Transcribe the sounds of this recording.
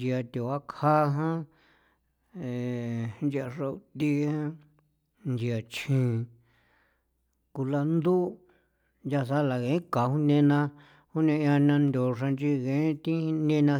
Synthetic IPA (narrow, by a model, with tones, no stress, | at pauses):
d͡ʒi˧a˧t̪e˨a˦kʰa˦ɦã˦ | e˨˧nd͡ʒi˧a˧ʐa˧u˧t̪i˦hã˦ | nd͡ʒi˧a˨t͡ʃʰĩ˨˧ | ku˧la˧nd̪u˦ | nja˧sa˦la˨ɣẽ˨ĩ˦ka˨hũ˦nẽ˧nã˧ | hu˦nẽ˧ã˧nã˧nd̪ʲo˨ʂa˧nt͡ʃi˧ɣẽ˨˦t̪ĩ˦˧nẽ˦˧nã˧